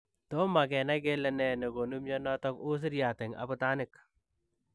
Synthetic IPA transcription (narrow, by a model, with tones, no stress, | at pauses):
t̪o˦ma˨ɡɛ˨na˦ɡe˦lɛ˦nɛ˨ne˨ɡo˨nu˦mjɔ˦nɔt̪ɔ˦ku˦s̬i˦ɾja˨t̪ɛ˨ŋa̰˨pu˦t̪a˦nɪ˦k